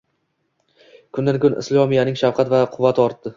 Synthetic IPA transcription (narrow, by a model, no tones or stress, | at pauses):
kʰʊnd̪ankʰʊnɪ̰slˠɒmijanɪŋʃafqʰɑt̪vaqʰʊvːat̪ʰɪɒɾt̪ːɪ